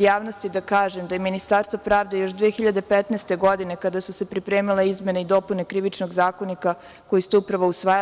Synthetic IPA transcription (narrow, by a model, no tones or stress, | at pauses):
jaːʋnost̪id̪akaːʒemd̪ajeminist̪aːɾst̪vopɾaːʋd̪e̞jo̞ʃd̪ʋeːexiʎad̪e̞pet̪neːst̪e̞ɡo̞d̪ine̞kad̪asuse̞pɾipɾeːmileizme̞neid̪o̞pune̞kɾiʋit͡ʃno̞ɡzaːko̞nika | ko̞jist̪uupɾaʋousʋaːj